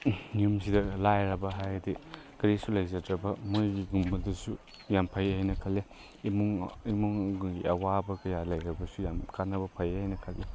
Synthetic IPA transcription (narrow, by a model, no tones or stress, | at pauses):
ŋumsidɐlajɾɐbɐɦajɐdi | kɐɾisulɐjzɐtɾɐbɐmojɡiɡumbɐdɐsu | jampʰɐjajnɐkʰɐlːe | imuŋimuŋɡuŋɡiɐwabɐkɐjalɐjɾɐbɐsujamkanɐbɐpʰɐjajnɐkʰɐlːe